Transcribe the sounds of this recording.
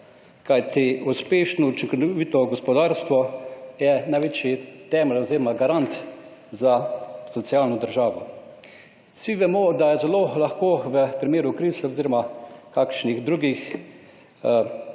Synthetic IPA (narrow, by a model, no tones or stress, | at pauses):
kajt̪iuspeːʃnɔut͡ʃiŋkɔnɔʋit̪ɔɡɔspɔd̪aɾst̪ʋɔjɛnajʋeːt͡ʃjit̪ɛːmɛloziːɾɔmaɡaɾant̪ | zasɔt̪sjalnɔd̪əɾʒaːʋɔ | siʋɛmɔd̪ajɛzɛlolaxkoːʋəpɾimeːɾukɾisɛoziːɾɔmakaːkʃniɣd̪ɾuɡix